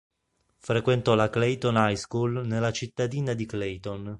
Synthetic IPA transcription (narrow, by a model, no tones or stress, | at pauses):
fɾekwent̪ɔlaklejt̪onajskulnelːat͡ʃit̪ːad̪iːnad̪iklejt̪on